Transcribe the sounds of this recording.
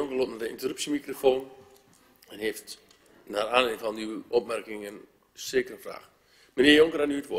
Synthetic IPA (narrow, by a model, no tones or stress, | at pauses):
joŋkərlotnadəintərypsimikrofoːn | ɛnheːft | naːraːnɪnfɔndyʔɔp̚mɛrkɪŋən | sɪːkərəfra̰ːx | məniəjoŋkəranyːtʋo